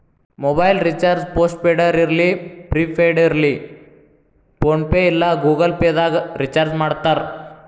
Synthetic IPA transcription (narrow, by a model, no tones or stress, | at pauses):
mobɐjlɾit͡ʃaːɾd͡ʒpoːsʈ̚peːɽɐɾiɾlipɾiːpʰeɖiɾli | poːnpeilːaɡuːɡɐlpeːd̪aːɡɾit͡ʃaɾd͡ʒmaːɽt̪aɾ